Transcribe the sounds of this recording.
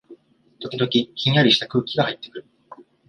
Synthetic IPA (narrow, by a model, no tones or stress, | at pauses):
t̪o̞kʲid̪o̞kʲikʲĩɲ̃jaɾʲiɕi̥t̪akɯ̟ːkʲiɡahait̪ːe̞̥kɯ̟ɾɯ̟